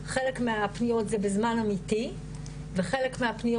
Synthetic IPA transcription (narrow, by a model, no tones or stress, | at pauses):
χele̞kmeapnijo̞tzebezmanamiti | veχelekmeapnij